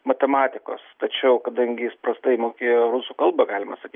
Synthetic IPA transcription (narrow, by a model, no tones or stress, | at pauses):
mɐt̪ʲɛmɑːt̪ʲɪko̰ːst̪ɐt͡ʃʲɛʊkɐd̪ɐŋʲɡʲɪjɪspɾɐst̪ɐɪmoːkʲeːjoːɾʊsuːkɐlˠbɐɡɑːlʲɪmɐsɐkʲiː